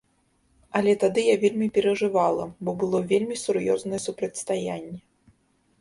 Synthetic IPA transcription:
ɐlʲɛt̪ad̪ɨjavʲelʲmʲipʲɛɾɐʐɨvalˠɐ̰bɔbɨlˠɔvʲelʲmʲisurjɔznɐjɛsupɾɐt͡sʲst̪ajanʲːɛ

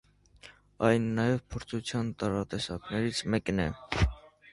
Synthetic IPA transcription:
ɑjnːɑjɛvpʰɔɾt͡sʰut͡sʰjɑnt̪ɑɾɑt̪ɛsɑknɛɾit͡sʰmɛknɛ

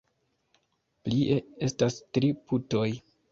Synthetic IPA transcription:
pliʔe̞e̞stastɾiputo̞j

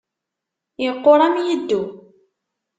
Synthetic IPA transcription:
iqːoɾˤamjəd̪ːu

